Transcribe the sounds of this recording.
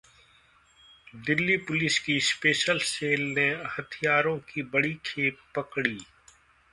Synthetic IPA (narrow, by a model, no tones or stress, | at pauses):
d̪ɪlːipʊlɪskispeːʃəlseːlnehɐt̪ʰijaːɾõkibɐɽikʰeːpːɐkɽiː